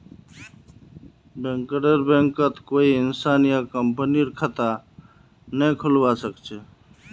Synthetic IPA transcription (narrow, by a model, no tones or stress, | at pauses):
bẽŋkəɾeɾbẽŋkət̪koiɪnsanijakəmpəniɾkʰət̪a | nɛkʰulbasəkt͡ʃʰɛ